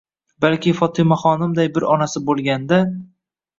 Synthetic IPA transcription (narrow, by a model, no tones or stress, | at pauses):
balkʲɪfɒt̪ʰɪmaχɒnɪmd̪ajbɪɾɒnasɪbolˠɡʲand̪a